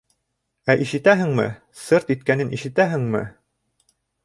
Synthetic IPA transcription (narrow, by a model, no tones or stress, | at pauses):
æʔiʃɘ̆t̪æɦɘ̆ŋmɘ̰ | sɤɾt̪it̪̚kænɘnʔiʃɘ̆t̪æɦɘ̆ŋmɘ̰